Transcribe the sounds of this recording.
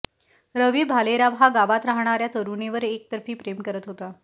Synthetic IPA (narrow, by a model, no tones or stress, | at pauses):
ɾəʋibʱaleɾaʋɦaɡaʋat̪ɾaɦɳ̃aɾjat̪əɾuneʋəɾek̚t̪əɾfiːpɾemkəɾət̪ɦot̪a